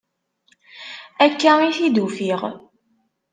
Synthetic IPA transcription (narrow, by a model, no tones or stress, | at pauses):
ækːæiθid̪ufiʁ